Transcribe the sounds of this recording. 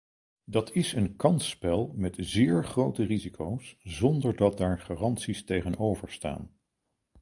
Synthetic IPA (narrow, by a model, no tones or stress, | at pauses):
dɑtʰɪsənkɑnspɛlˠmɛtzɪːɹχrowtərizikʰowszɔndəɹdɑt̚daːɹχaːrɑnsistejχənowvəɹsta̰ːn